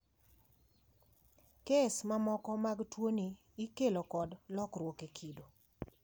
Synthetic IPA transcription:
kesmamɔkɔmaɡtwoniː | kelokɔdlɔkrwokekʰido

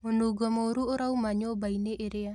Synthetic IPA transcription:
munuɡɔmɔuɾuoɾaumaɲɔbaineʔeɾea

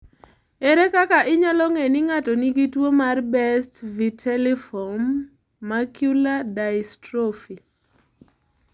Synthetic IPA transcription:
eɾekakaʔɪɲalɔŋenɪŋatɔniɡitwomarbɛstvitʰɛlɛfɔmː | akjuladajstɾofi

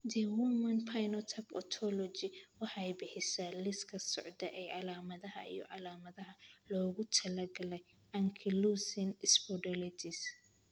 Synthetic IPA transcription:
d̪ɛwʊmɐnpʰajnɔt̪ʰɐpɔt̪ʰɔlɔt͡ʃɪwɑħɑɛjbɪħɪsaːlɪskʰɐsɔʕd̪ɐʔɛjʕɑlaːmɐðɐɦɐ̰ḭjɔ̰ʕɑlaːmɐðɐɦɐlɔːɣʊt̪ʰɐlɐɡɐlɛj | ʔɐŋkʰɪlusɪnspɔɖɐlɪt̪ʰɪs

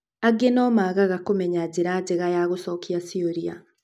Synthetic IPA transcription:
aɡenɔmaːɣaɣakomɛɲad͡ʑeɾad͡ʑeɣajaɣosɔkiasioɾia̰

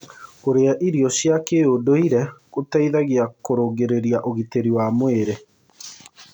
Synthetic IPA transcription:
koɾeaʔiɾiɔɕjakeodoiɾɛkotaiðaɣiakoɾoːɡeɾeɾiaʔoɣiteɾiwaːmweɾe

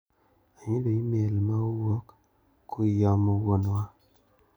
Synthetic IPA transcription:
aɲidoimelmaowokː | uijamɔwonwa

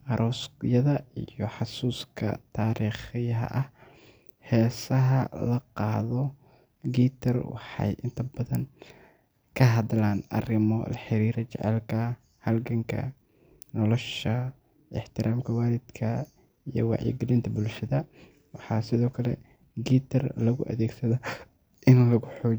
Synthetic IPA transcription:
ʔɐɾʔɔːsjɐðɐijɔħɑsuːskʰɐ̰t̪ʰaːɾiːχɪjɐɦɐ̰ʔɐh | hɛːsɐɦɐlɐqɑːðɔ | ɡiːt̪ʰɐrwɑ̰ħɑ̰jʔɪnt̪ʰɐbɐðɐn | kʰɐɦɐðlaːnɐ̰rɪmɔlɐħɪɾiːɾɐt͡ʃɛ̰ʕɛ̰lkʰɐ | hɐlɡɐŋkʰɐ̰ | nɔlɔʃɐ | ʔɪ̰ħt̪ʰɪɾaːmkʰɐwaːlɪd̪̥kʰɐ | ijɔ̰wɑ̰ʕjḭɡɪlɪnt̪ʰɐbʊlʃɐðɐ | wɑħɑːsɪðɔːkʰɐlɛ̰ | ɡiːt̪ʰɐrlɐɣʊʔɐ̰ðɛːɡsɐðɐ | ʔɪnlɐɣʊħɔː

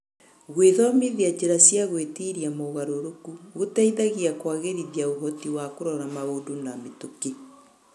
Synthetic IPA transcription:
ɣweðɔmiðiad͡ʑeɾasjaɣwetiːɾiamoɣaɾoɾokuɣotaiðaɣiakwaɣeɾiðiaoɦɔtiwakoɾɔɾamaodonametoki

